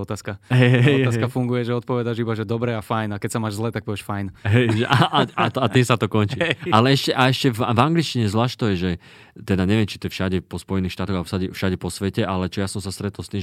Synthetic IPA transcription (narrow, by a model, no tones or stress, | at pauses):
ɔt̪aːskaɦɛjɦɛɦɛɔt̪aːskafuŋɡujɛʒɛɔt̪̚pɔʋɛd̪aʒibaʒɛd̪ɔbɾɛafajnakɛcsamaːʒzlɛt̪ak̚pɔʋɛʃfajnɦɛjʒɛʔaaaat̪at̪iːmsat̪ɔkɔnt͡ʃiːalɛɛʃcɛʔaɛʃcɛvvaŋɡlit͡ʃciɲɛzʋlaːʃt̪ɔjɛʒɛ | t̪ɛd̪aɲɛʋɪɛmt͡ʃit̪ɔjɛfʃaɟɛpɔspɔjɛniːxʃt̪aːt̪ɔɣasaɟɛfʃaɟɛpɔsʋɛcɛʔalɛt͡ʃɔjasɔmsast̪ɾɛt̪ɔlst̪iːm